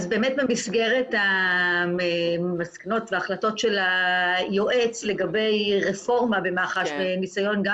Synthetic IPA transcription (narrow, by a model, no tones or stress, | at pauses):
zbe̞ːmetbemisɡeʁe̞ta | maskano̞tveaχlato̞tʃe̞lajoʔet͡sle̞ɡabe̞jʁefo̞ʁmabe̞maχaʃbenisajo̞nɡa